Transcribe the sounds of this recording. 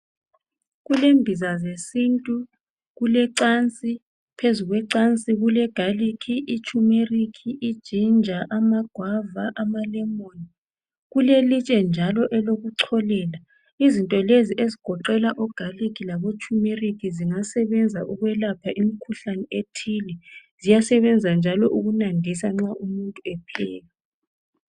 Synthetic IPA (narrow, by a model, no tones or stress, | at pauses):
ɣulembʱizazesintʼu | ɣulɛǀant͡sʼi | pʰezuɣwɛǀant͡sʼiɣulɛɡ̥ʱalikʰiʔit͡ʃʼumerikʰiʔːd̥ʒ̥ʱind͡ʒʱaʔamaɡ̥ʱwavaʔamalɛmoni | ɣulelit͡ʃʼɛnd͡ʒʱalɔʔɛloɣuǀʰɔlɛːla | izintʼɔleziʔeziɡ̥ʱɔǃɛlaʔɔɡ̥ʱalikʰilaβot͡ʃʼumerikʰiziŋasɛβɛnd͡zʱaʔuɣwɛlapʰaʔimikʰuɬanɛetʰilɛzijasɛβɛnd͡zʱand͡ʒʱalɔʔuɣunandʱisaŋ͡ǁaʔumuntʼuɛpʰɛːla